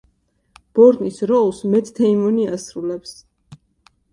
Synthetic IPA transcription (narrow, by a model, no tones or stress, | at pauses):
b̥ɔɾd̪nisɾɔlˠsmɛt̪ʰt̪ʰɛimɔniasɾulɛps